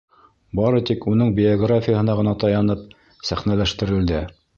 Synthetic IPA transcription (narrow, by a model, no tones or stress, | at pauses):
bɑɾɤt̪ikunɤɴbʲɪoɡrafʲijəɦɤ̆nɑʁɤ̆nɑt̪ɑjɑnɤp̚ | sæχnælæʃt̪ɘ̆ɾɘ̆ld̪ɘ